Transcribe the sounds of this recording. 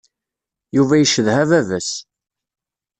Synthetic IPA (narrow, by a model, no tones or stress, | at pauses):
juvæjəʃəðhævævæs